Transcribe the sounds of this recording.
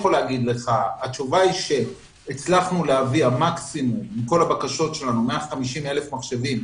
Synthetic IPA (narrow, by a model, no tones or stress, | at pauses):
oleaɡid̪le̞χaat͡ʃuvaiʃe̞ː | t͡slaχnuleaviamaksimumːiko̞labakaʃo̞tʃe̞lanume̞aχamiʃime̞le̞fmaχʃe̞vim